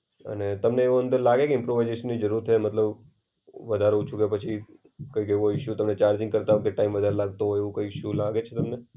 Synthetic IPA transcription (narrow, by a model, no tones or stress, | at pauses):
ə̰net̪əmneːʋoənd̪əɾlaɡekeɪmpɾoʋajzeʃənːid͡ʒəɾuɾt̪ʰːemət̪ləb | ʋəd̪ʱaɾeɦũt͡ʃʰũkepət͡ʃʰi | kəjkeʋũɦoʃũt̪əmnet͡ʃaɾd͡ʒɪ̃ŋɡkəɾt̪aɦokeʈaimʋəd̪ʱaɾelaɡ̚t̪oɦoeʋũkəikʃũlaɡet͡ʃʰet̪əmne